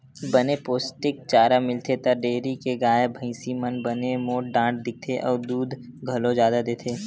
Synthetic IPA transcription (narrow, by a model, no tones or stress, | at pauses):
bənepoːsʈɪk̚t͡ʃaːɾamɪlt̪ʰet̪ɐɖeːɾikeɡaːebʱə̃ɪ̃simənbənemoːʈ̚ɖãːʈ̚d̪ɪk̚t̪ʰeʔɔːɾd̪uːd̪ʱ | ɡʱɐlõd͡ʒjaːd̪ad̪eːt̪ʰeː